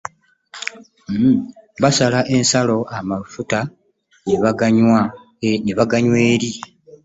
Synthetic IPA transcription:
βasalaʔe̞nsalo̞ʔamafuta | neβaɡaɲwa | neβaɡaɲwe̞ːɾi

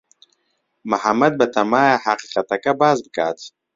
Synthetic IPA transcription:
mahamad̪̚bat̪ʰamaːjahaqiqat̪akabaːzbəka̰ːt͡s̪

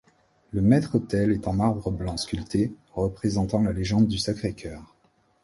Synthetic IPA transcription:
ləmɛt̪χot̪ɛlɛt̪ɑ̃maʁbʁəblɑ̃skʲylt̪e | ʁəpχezɑ̃t̪ɑ̃laleʒɑ̃d̪ːysakχekʲʰœːʁ

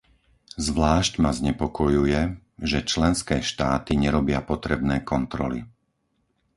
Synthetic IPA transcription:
zʋlaːʃcmazɲɛpɔkɔjujɛ | ʒɛt͡ʃlɛnskɛːʃt̪aːt̪iɲɛɾɔbɪapɔt̪ɾɛbnɛːkɔnt̪ɾɔli

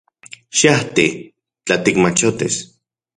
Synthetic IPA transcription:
ʃaht̪i | t͡ɬat̪ikmat͡ʃot̪ḭs

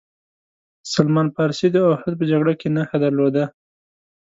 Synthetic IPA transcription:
salmɑnpɑɾsid̪əʊhad̪̚p̬əd͡ʒaɡɽakenaxad̪aɾlod̪a

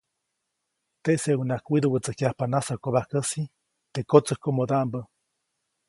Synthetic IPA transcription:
t̪eʔseunakwid̪owət͡səkjahpanasakoβahkəsi | t̪ekot͡səhkomod̪aʔmbə

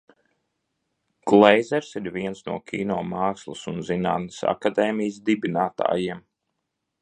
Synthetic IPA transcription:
ɡ̥lˠɛjzɛɾsiɾviɛnsnuɔkʰʲiːnɔːmaːkslˠusunzina̰ːt̪nəsa̰kad̪ɛːmijəsd̪ibinaːt̪a̰ːjiɛm

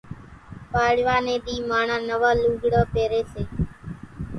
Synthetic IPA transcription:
paːɽʋaːnẽːɗ̪iːmaːɳãːnəʋaːluːɡɽəːpeːɾeːseː

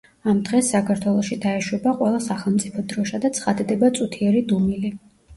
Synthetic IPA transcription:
amd̪ʁɛsːakʰaɾt̪ʰwɛlˠɔʃid̪aɛʃwɛbaqʼwɛlˠasaχɛlˠmt̪sʼipʰɔd̪ɾɔʃad̪at̪sʰχad̪d̪ɛbat̪sʼut̪ʰiɛɾid̪umili

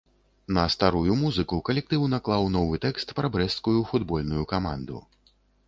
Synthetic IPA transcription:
nɐst̪aɾujumuzɨkukɐlʲɛk̚t̪ɨwnaklˠawnɔvɨt̪ɛkst̪pɾɐbɾɛskujufud̪bɔlʲnujukama̰nd̪ṵ

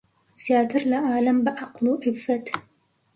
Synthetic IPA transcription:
saːt̪ɪɾlaʔaʕlambaʔɑqluːʔɪfːat̪

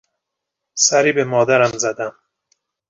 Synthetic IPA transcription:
sæɾiːbemɒːd̪æɾæmzæd̪æm

